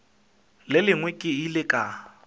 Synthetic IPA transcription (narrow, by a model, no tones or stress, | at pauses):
lɪlɪŋwɛkʼɪilɪkʼa